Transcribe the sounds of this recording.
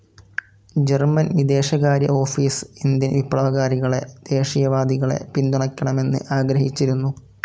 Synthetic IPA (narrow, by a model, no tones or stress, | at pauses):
d͡ʑermɐnʋid̪e̞ːɕɐɣaːɾjɐ̰o̞ːfiːsind̪inʋipːɭɐʋɐɣaːɾiɣɐɭe̞̰d̪̥e̞ːʂijɐʋaːd̪iɣɐɭe̞̰pind̪uɳɐkʲːɐɳɐme̞nːɨ̰ʔaːɡɾɐhit͡ɕːiɾunːu